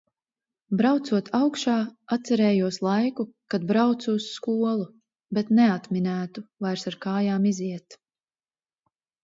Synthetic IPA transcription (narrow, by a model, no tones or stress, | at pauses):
bɾawt̪suɔt̪ʰawkʃaːat̪t̪sɛɾɛːjuɔslˠajkukad̪bɾawt̪suːsːkuɔlˠu | bɛt̪nɛat̪minæːt̪uvajɾsaɾkaːjaːmiziɛt̪